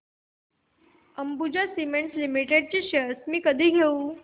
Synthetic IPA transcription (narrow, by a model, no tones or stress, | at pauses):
əmbud͡ʑasimeɳʈslimiʈeɖ̚t͡ɕiɕəsmiːkəd̪ʱiːɡʱeu